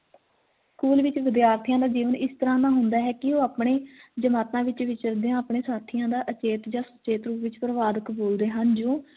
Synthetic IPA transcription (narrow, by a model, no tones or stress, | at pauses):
skuːlʋɪt͡ʃʋɪd̪jaːɾt̪ʰijãːd̪aːd͡ʒiːʋənɪst̪əɾãːnãːɦʊnd̪aːɦɛːkɪoːaːpɳeːd͡ʒəmaːt̪ãːʋɪt͡ʃʋɪt͡ʃəɾd̪eãːapɳeːsaːt̪ʰɪjãːd̪aːʔət͡ʃeːt̪d͡ʒãːsət͡ʃeːt̪ɾuːpʋɪt͡ʃpɾəʋaːd̪əkboːld̪eːɦənd͡ʒõː